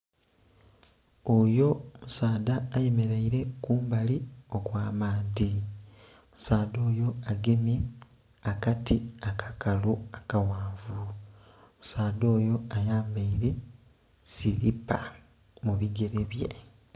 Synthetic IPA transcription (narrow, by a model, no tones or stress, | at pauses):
ojo̞musaːdaːje̞me̞ɾaiɾe̞kuːmbalio̞kwaːmaːdi | musaːdo̞ːjo̞aɡeme | akatiakʰḁkaluakawaːɱvu | mu̥saːdo̞ːjo̞ajaːmbaiɾe̞ | siɾipa | muβiɡe̞ɾeβje̞̰